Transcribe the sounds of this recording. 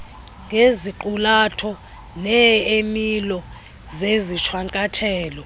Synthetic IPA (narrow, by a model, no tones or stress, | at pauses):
ŋɡʱeziǃulatʰɔ | nɛemilɔ | zeziʃʰwaŋkʼatʰɛːlɔ